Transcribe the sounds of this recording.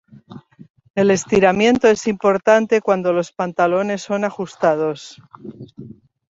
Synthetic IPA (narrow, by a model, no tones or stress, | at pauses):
e̞le̞st̪iɾamjẽ̞nt̪o̞e̞simpo̞ɾt̪ant̪e̞kwand̪o̞lo̞spant̪alo̞ne̞sːo̞naxust̪að̞o̞s